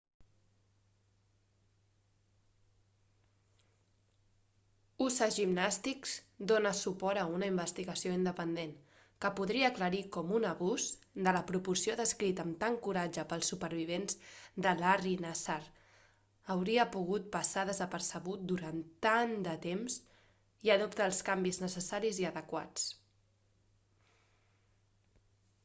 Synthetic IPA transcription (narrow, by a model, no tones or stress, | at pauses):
usəʒimnast̪ikzd̪onəsupɔɾəunəimbəst̪iɣəsioind̪əpənd̪en | kəpuðɾiəːkləɾikɔmunəβuzd̪ələpɾupuɾsioðəskɾit̪əmt̪aŋkuɾad͡ʒəpəlˠsːupəɾβ̞iβ̞enzd̪əlarinasaɾ | əwɾiəpuɣ̞ut̪̚pəsaðəzəpəɾsəβ̞ut̪̚d̪uɾant̪and̪ət̪emz | iəðupt̪əːlˠskambiznəsəsaɾiziəðəkwa̰t͡s